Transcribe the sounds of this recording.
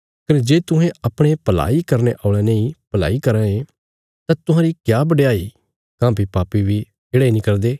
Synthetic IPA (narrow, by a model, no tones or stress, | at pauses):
kəɾd͡ʒeːt̪ʊɦẽʔɐpɽ̃epɐla̰ːikɐɾneʔaːɭẽnẽĩpɐla̰ːikɐɾãẽ | t̪ãt̪ʊɦãːɾikjaːbəɖejaːi | kãːbipaːpibi | eːɽaːinɪkəld̪eː